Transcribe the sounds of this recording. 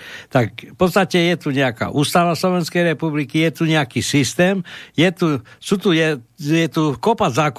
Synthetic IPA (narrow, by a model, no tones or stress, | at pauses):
t̪ak̚fpɔt̪st̪acɛjɛt̪uɲɛaka̰ːʔuːst̪aʋaslɔʋɛnskɛjɾɛpublikijɛt̪uɲɛakiːsist̪ɛːmjɛt̪usut̪ujɛjɛt̪ukɔpazak